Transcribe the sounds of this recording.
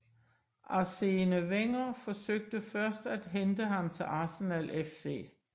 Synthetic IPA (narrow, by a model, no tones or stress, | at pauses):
ʔɑ̈se̝nəʋeŋ̰ɐfɒ̽søɡ̥̚d̥əfɶɐsd̥æd̥ɦend̥əɦɑ̈mt͡sʰe̝lɑ̈ːsenælʔefse̝̰ː